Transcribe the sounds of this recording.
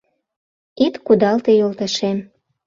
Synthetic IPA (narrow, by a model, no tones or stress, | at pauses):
it̪kud̪ɑlt̪ejolt̪əʃem